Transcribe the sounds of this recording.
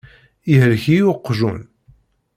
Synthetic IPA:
iɦəɾçijʊqːʒṵn

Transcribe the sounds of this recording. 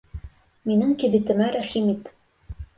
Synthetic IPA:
minɘŋkɘ̆bɘ̆t̪ɘ̆mæɾæχimit̪

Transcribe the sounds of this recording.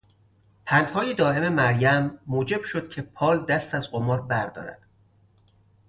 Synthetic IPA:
pʰænt̪hɒːjed̪ɒːe̞me̞mæɾjæmːoːd͡ʒe̞b̥ʃod̪cʰe̞pʰɒːld̪æst̪æzɢomɒːɾbæɾd̪ɒ̰ːɾæ̰d̪̥

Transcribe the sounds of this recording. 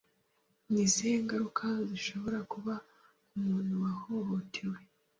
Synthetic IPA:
nizieːŋɡaɾukʰaziʃo̞βo̞ɾakuβa | umuːn̤̥huwahoho̞tʰewe̞

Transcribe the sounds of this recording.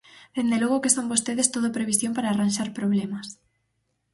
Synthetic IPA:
ð̥end̪eloɣokesombost̪eðest̪oðopɾeβ̞isjompaɾaːranʃaɾpɾoβlemas

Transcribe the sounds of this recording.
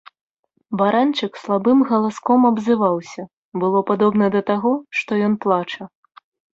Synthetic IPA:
baɾant͡ʂɨkslˠabɨmɣɐlˠaskɔmɐbzɨvawsʲɐ | bɨlˠɔpad̪ɔbnɐd̪ɐt̪aɣɔʂt̪ɔjɔn̪plˠat͡ʂɐ

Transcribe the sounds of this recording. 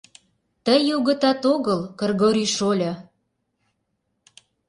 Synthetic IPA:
t̪əjoɣə̆t̪ɑt̪oɣəlkə̆rɣoɾiʃolʲɤ

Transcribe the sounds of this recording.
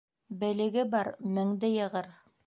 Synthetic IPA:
bɘ̆lɘ̆ɡɘbɑɾmɘ̆ŋd̪ɘjɤ̆ʁɤɾ

